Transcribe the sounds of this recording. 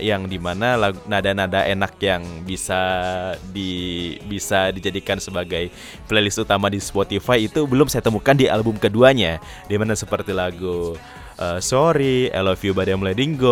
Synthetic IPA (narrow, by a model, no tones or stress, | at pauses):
jaŋdimanalaɡunadanadaʔenak̚jaŋbisa | dibisadid͡ʒadikansəbaɡaj | plelɪst̪ut̪amadispot̪ifajit̪ubəlʊmsajat̪əmukandiʔa̰lbʊmkəduaɲa | dimanasəpərt̪ilaɡu | ʔəsoɾiḛlofiubadamuladiŋɡo